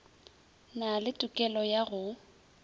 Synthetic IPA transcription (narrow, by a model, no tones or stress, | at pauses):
nalɪtʼʊkʼɛlɔjaɣʊ